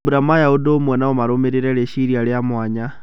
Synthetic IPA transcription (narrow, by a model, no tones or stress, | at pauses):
buɾamajaudomwenaomaɾomiɾiɾeleʃiɾialjamwaːɲa